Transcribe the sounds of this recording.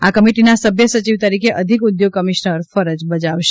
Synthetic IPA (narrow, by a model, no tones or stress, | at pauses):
akəmiʈinasəbʱjəsət͡ʃiʋt̪əɾikʰeʔəd̪ʱikud̪joɡ̚kəmiʃnəɾfəɾəd͡ʒbəd͡ʒaʋʃe̥